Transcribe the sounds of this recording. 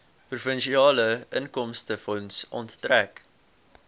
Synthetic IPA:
prufənʃiɑːləənkɔmstəfɔnsɔ̰nttræk

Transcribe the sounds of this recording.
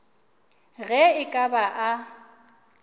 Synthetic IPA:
ɣɛɪkʼabaʔa

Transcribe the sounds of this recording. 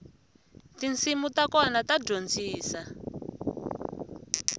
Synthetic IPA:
tint͡simutakɔnataɟond͡ziːsa

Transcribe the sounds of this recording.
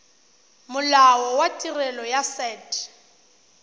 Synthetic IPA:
mʊlawɔwatʼirɛlɔjasɛːtʰʼ

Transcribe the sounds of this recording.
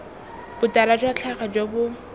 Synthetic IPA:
b̥ʊtʼaɾad͡ʒwat͡ɬʰaχad͡ʒobʊ

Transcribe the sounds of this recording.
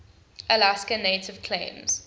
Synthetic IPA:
ʔəlaskəneɪtʰɪv̥kʰlḛ̃ɪ̃mz̥

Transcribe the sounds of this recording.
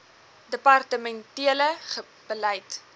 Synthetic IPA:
dəpɐrtəmɛntiələχə | b̥əlɛjt

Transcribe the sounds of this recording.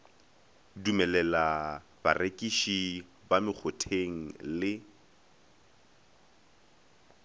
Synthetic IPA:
dumɛlɛla | b̥a̰rekʼiʃi | bamɪk͡xʰʊtʰeŋ̩lɪ

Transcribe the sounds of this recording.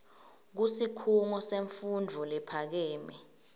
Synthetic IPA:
k̬usikʰuŋɔseɱfund͡vʱɔlɛpʰak̬ɛːmɛ

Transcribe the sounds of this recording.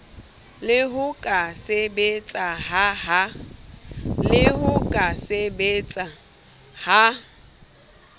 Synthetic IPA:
lɪɦʊkʼasebet͡sʼaɦaha | lɪɦʊkʼasebet͡sʼa | ha

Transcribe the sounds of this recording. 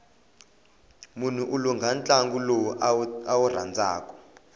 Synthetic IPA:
mun̤uʔuluŋɡʱant͡ɬʼaŋɡulowuawur̤a̰nd͡zʱa̰ːkɔ̥

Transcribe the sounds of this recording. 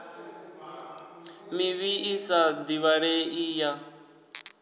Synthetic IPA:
miβiisad̪iβaɺeija

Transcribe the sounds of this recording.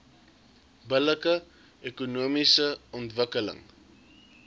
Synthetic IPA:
bələkə | ekunuəmisəɔntvəkələ̰ŋ

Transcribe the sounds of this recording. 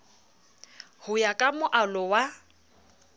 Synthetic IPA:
hʊjakʼamʊʔalɔwa

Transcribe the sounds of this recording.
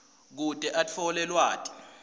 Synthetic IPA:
k̬utʼɛʔat͡fʰɔlɛlwaːtʼi̥

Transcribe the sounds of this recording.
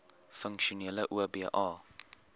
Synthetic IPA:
fəŋkʃuniələʔuəbiːʔɑː

